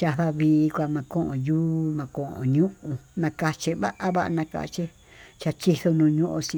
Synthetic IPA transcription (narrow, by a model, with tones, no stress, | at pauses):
t͡ʃa˧˨ða˧βiː˧kʷa˧mã˧kõ˦ʔõ̰˨juː˦mã˨kõ˨ʔõ̰˨ɲũ˦ũ˧nã˧ka˧t͡ʃe˧βa˦ʔa˦βa˦ʔa˧nã˧ka̰˧t͡ʃe˦ | t͡ʃa˧t͡ʃi˦θo˦˧nũ˧ɲũ˦ʔõ˧si˧